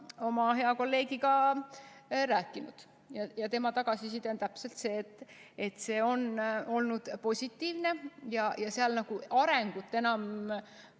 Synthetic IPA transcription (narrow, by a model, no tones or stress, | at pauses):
o̞mɑɦe̞ɑko̞lːe̞ːɡikɑ | ræːkːˑinud̪̥ | jɑjɑt̪e̞mɑt̪ɑɡ̥ɑsisit̪ont̪æpse̞lt̪se̞ːt̪ːˑet̪se̞ːo̞no̞lnud̪̥po̞sʲit̪ːiːvne̞jɑjɑseɑlnɑɡ̥uɑɾe̞ŋɡ̥ut̪ːˑe̞nɑm